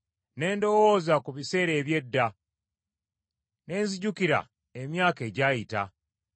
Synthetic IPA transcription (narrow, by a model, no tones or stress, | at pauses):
ne̞ːndo̞wo̞ːzakuβise̞ːɾe̞ːβje̞dːa | ne̞ːnziɟukiɾa̰ | emjaːke̞ɟaːjita